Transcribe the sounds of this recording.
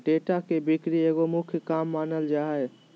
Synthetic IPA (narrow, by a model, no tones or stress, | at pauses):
ɖeʈakebikɾieɡomʊkʰjəkamːaːnəld͡ʒaːɦe